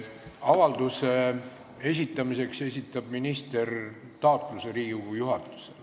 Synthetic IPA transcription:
ɑvɑld̪use | es̬ʲit̪ːˑɑmise̞kse̞sʲit̪ˑːɑbminist̪e̞r | t̪ɑot̪ˑluse̞ɾiːɡiɡujuɦɑt̪ːˑu̥sel

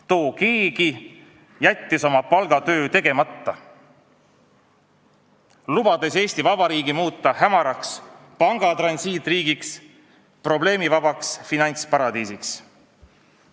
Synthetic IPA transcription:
t̪o̞ːkeːɡi | jæt̪ʲːiso̞mɑpɑlɡ̥ɑt̪ø̞ːt̪e̞ɡ̥e̞mɑt̪ːɑ | lub̥ɑd̪̥e̞se̞ːsʲt̪ivɑb̥ɑɾiːɡimuːt̪ːˑɑhæmɑɾɑks | pɑŋɡ̥ɑt̪rɑnsiːt̪ˑriːɡiks | pro̞ble̞ːmivɑbɑksfinɑnʲt̪spɑɾɑd̪iːsiks

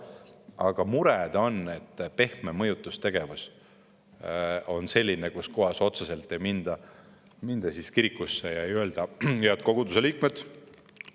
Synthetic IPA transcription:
ɑɡ̥ɑmuɾɛd̪̥o̞ne̞t̪ːpe̞hmemɤjut̪ːˑust̪e̞ɡ̥e̞vus | o̞nse̞lʲːinekuskoɦɑso̞t̪sɑse̞lt̪ːˑe̞jmind̪̥ɑ | mind̪̥ɑsiskiɾikːˑusːejɑejøld̪̥ɑjet̪̚ko̞ɡ̥ud̪useliːkmed̪̥

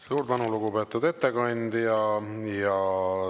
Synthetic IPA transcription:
suːɾd̪ɑnuluɡupe̞ːt̪ːˑud̪e̞t̪ːekɑnʲd̪jɑjɑ

